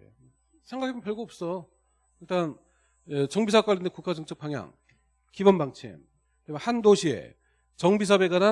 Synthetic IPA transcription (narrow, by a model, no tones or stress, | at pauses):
e | sʰeŋɡakʰebunpjʌɭɡoːp̚s͈ʌ | iɭt͈an | et͡ɕʌŋbisʰak͈aɭːindekuk͈ad͡ʑʌŋt͡ɕ͈ʌk̚p͈aŋja̰ŋ | kibʌnbaŋt͡ɕʰḛm | temehandoɕʰiḛ | t͡ɕʌŋbisʰabeɡana